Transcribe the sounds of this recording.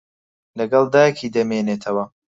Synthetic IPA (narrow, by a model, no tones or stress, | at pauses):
lɐɡɐlˠd̪aːjkʰiːd̪ɐmeːneːt̪ʰɐwɐ